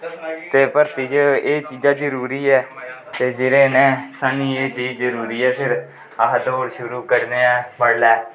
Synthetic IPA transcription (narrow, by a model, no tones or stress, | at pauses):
t̪eːpəɾt̪id͡ʒeːt͡ʃiːd͡ʒaːd͡ʒəɾuːɾiːɛːt̪eːd͡ʒɪɾẽːnẽːsaniːeːt͡ʃiːd͡ʒzəɾuːɾiːɛːpʰɪɾ | əɦd̪oːɽʃʊɾuːkəɾneːɛ̃ːməɽlɛː